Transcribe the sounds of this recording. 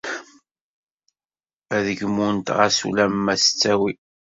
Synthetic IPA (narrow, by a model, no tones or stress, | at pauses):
æðəʝmunt̪ʁasṵlæmmːæsə̥t͡sːæwi